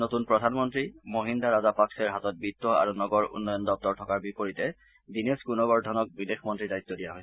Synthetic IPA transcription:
notunpɹɔdʱanmɔntɹimoɦindaɹazapaksɛɹɦatɔt̚bitːɔa̰ɹunɔɡɔɹṵnːɔjɔndɔp̚tɔɹtʰɔkaɹbipoɹitɛ | dineskunɔɡɔɹdʱɔnɔk̚bidexmɔntɹidajt̪ːɔdijaɦɔj

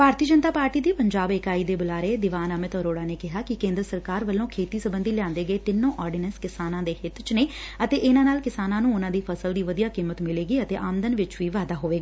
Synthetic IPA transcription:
bʱaːɾt̪iːd͡ʒənt̪aːpaːɾʈiːd̪iːpəɲd͡ʒaːbɪkaːiːd̪eːbʊlaːɾeːd̪ɪʋaːnəmɪt̪əɾoːɽaːneːkɪɦaːkɪkẽːnd̪ɾəsəɾkaːɾʋəlːõːkʰeːt̪iːsəbənd̪iːlɪjãːnd̪eːɡəeːt̪ɪnːõːʔɔːɾɖɪnənskɪsaːnãːd̪eːɦɪt̪ʰt͡ʃneːət̪eːʔɪnãːnaːlkɪsaːnãːnũːʊnãːd̪iːpʰəsəld̪iːʋəd̪ijaːkiːmət̪mɪleːɡiːət̪eːʔaːmənd̪ənʋɪt͡ʃʋiːʋaːd̪aːɦoːʋeːɡaː

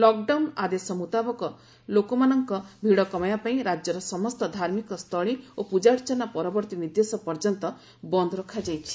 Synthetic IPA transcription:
lɔk̚ɖawnad̪esɔmut̪abɔkɔ | lokɔmanɔŋkɔbʱiɽɔkɔmajapaĩɾad͡ʒjɔɾɔsɔmɔst̪ɔd̪ʱaɾmikɔst̪ʰɔɭiopud͡ʒaɽt͡ʃɔnapɔɾɔbɔɾt̪inid̪jesɔpɔɾd͡ʒɔnt̪ɔ | bɔnd̪ʱɔɾɔkʰad͡ʒajt͡ʃʰi̥

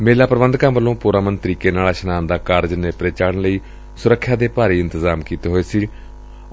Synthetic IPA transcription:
meːlaːpəɾəbənd̪kãːmʋəlːõːpuːɾaːmənt̪əɾiːkeːnaːlaːʃənaːnd̪aːkaːɾd͡ʒneːpɾeːt͡ʃaːɽnləiː | sʊɾəkʰːjaːd̪eːpaːɾiːɪnt̪əzaːmkiːt̪eːɦoːeːsiː

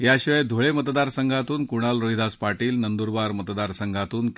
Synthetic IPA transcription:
jaɕiʋəjd̪ʱoɭemət̪d̪aɾsəŋɡʱat̪uːnkuɽ̃alɾoid̪ʱaspaʈiːlnənd̪uɾbaɾmət̪d̪aɾsəŋɡʱat̪uːnk

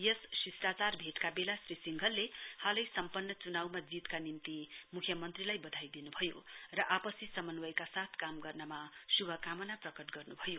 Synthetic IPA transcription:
jʌssisʈat͡sarbʱeʈkabelasrisiŋɡʱʌlːehalʌjsʌmpʌnːʌt͡sunawmad͡zit̪kanimt̪imukʰjʌmʌnt̪rilajbʌd̪ʱajd̪inubʱʌjorʌʔapʌsisʌmʌnwʌjkasat̪ʰkamɡʌrnʌmasubʱʌkamʌnaprʌkʌʈɡʌrnubʱʌjo

